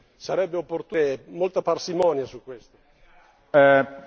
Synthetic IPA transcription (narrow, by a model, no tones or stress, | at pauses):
saɾɛbːeopːort̪uemolt̪aparsimɔːnjasukwest̪o